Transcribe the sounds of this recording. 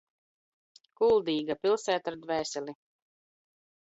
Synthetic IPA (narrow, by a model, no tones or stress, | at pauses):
kulˠd̪iːɡapilˠsæːt̪aɾd̪væːsʲɛlʲi